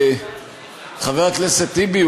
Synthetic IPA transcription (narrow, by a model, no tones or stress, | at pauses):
χaveʁakleset̪ibi